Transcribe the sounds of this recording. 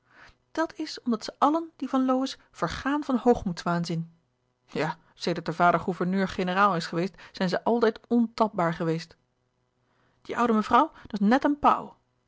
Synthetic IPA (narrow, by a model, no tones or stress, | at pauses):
d̥ɑtʰɪsɔmdɑtsəʔɑlənd̥ivɑnlowɪs | v̥əɹχaːnvɑnhowχmutsʋaːnzɪn | jaː | sejdəɹt̚dəvaːdəɹχuvəɹnøːɹχenəraːlˠɪsχəʋejstsɛjnzəʔɑlˠtɛjtɔntɑp̚baːɹχəʋejst | d̥iʔʌ̰wdəməvrʌwdɑsnɛtənpa̰w